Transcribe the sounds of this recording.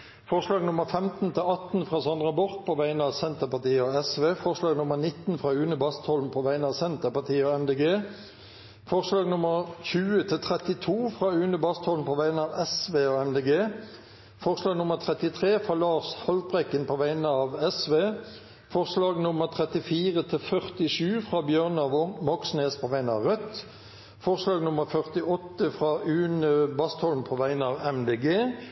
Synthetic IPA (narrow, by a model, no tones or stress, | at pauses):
fɔʁʂlɑːɡnʊməʁfɛmt̪n̩t̪ʰɪlɑt̪n̩fʁɑːsɑnʁɑbɔʁt̪̚pʰoːʋæɪnəɑːʋsɛnt̪əpɑt̪iːəoɛsʋeːfɔʁʂlɑːɡnʊməʁnɪt̪n̩fʁɑːʉːnəbɑst̪hɔln̩pʰɔːʋæɪnəɑːʋsɛnt̪əpɑʁt̪ʰiːəoɛmd̪eːɡeː | fɔʁslɑːɡnʊməʁçʉːət̪ʰɪlt̪ʰʁɛt̪ɪt̪ʰuːfʁɑːʉːnəbɑst̪ʰhɔln̩pʰɔːʋæɪnəɑːʋɛsʋeːoːɛmd̪eːɡeː | fɔʁslɑːɡnʊməʁt̪ʰʁɛt̪ɪt̪ʰʁeːfʁɑːlɑːʁshɔlt̪̚bʁɛkːənpʰoːʋæɪnəɑːʋɛsʋeː | fɔʁslɑːɡnʊməʁt̪ʰʁɛt̪ɪfiːʁət̪ʰɪlfœʁt̪ɪʃʉːfʁɑːbjøːʁnɑːʋɔmɔksneːspʰoʋæɪnəɑ̰ʁœt̪ | fɔʁslɑːɡnʊməʁfœʁt̪ɪɔt̪ːəfʁɑːʉːnəbɑst̪hɔln̩pʰoːʋæɪnəɑːʋɛmd̪eːɡeː